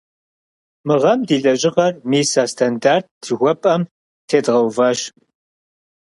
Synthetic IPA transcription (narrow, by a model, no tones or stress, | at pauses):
mɨʁɐmdiːɮʼɐʑʼɪʁɐrmiːsaːstʰandart̚ːɨɣʷɔpʼɐm | tʰeːdʁɐwvɐːɕ